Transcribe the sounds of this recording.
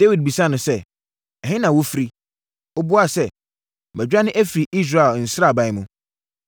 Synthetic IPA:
d̥e˦wi˨d̚bi˨sa˦nʊ̃˨sɛ˦ | ɛ˨hɪ̃˦nã˨wo˦fi˨ɾi˦ | ɔ˦bʊ˦a˦˨sɛ˦˨ | bɛ˨d͡ʑᶣa˦nɪ̃˦ʔæ˦fi˨ɾi˨ʔi˦s̬ɾa˦˨ɛ˨ln̩˨sɾa˦˨ba˨ɪ˦mʊ̃˨˦

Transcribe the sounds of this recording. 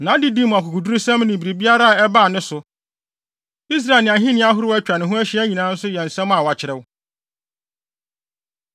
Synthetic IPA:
nã˨˦di˦di˦m̃˨a˨kʰʊ˨kʰʊ˨du˦ɾu˦sɛ̃˦m˦nɪ̃˨bi˨ɾi˨bi˦a˦ɾa˦a˨ɛ˦ba˦˨nɪ̃˦sʊ˨ | i˦s̬ɾaː˨lnɪ̃˨a˨ɦɪ̃˦nɪ̃˦a˦ɦʊ˦ɾæ˦t͡ɕᶣa˨nɪ̃˨ɦʊ̃˦æ˦ɕi˦æ˦ɲĩ˨nãː˨˦n̩˦sʊ˦jɛ˨n̩˨sɛ̃˦m˦a˨wa˨t͡ɕʰɪ˨ɾɛ˦wʊ˦

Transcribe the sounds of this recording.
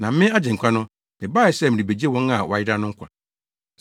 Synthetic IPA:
nã˨m˦mɪ̃˦a˦d͡ʑɪ̃˨ŋ̩˨kʷʰa˦nʊ̃˦ | mɪ̃˨baː˦jɛ˨sɛ˦˨mɪ̃˨ɾĩ˨be˨d͡ʑi˦e˦wɔ̃˦na˨wʔa˨jɪ˦ɾa˦nʊ̃˦ŋ̩˦kʰʷa̰˨

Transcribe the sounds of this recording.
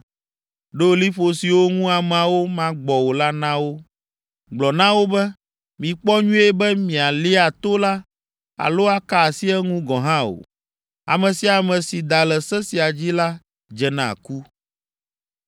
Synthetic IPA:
ɖo˦˨li˦ɸo˨si˨wo˦ŋũ˦a˨mã˨wo˦mã˦ɡ͡bɔ˨wo˨la˦nã˦wo˦ | ɡ͡blɔ˨nã˦wo˦bɛ˦ | mĩ˨k͡pɔ˦ɲũ˦ɛ˦bɛ˦mĩ˨a˨li˦a˨t̪o˦la˦ | a̰˨lo˦a˦ka˨si˦ɛ˦ŋũ˦ɡɔ̃˨ɦã˦o̰˨ | a̰˨mɛ̃˨si˨a˨mɛ̃˨si˨d̪a˨lɛ˨sɛ˦si˨a˨d͡ʑi˦la˦ | d͡ʒɛ˨nã̰˨ku˦

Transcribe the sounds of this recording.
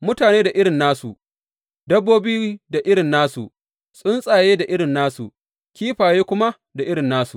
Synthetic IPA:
mʊ˦taː˨neː˦da˨ʔɪ˦ɽɪ˨nːaː˦su˨ | dɐ˦bːoː˦bi˦i˦da˨ʔɪ˦ɽɪ˨nːaː˦sṵ˨ | sʼʊ˦nsʼaː˨jeː˦da˨ʔɪ˦ɽɪ˨nːaː˦sṵ˨ | kʲiː˦ɸaː˨jeː˦kʷʊ˦ma˦ | da˨ʔɪ˦ɽɪ˨nːaː˦sṵ˨

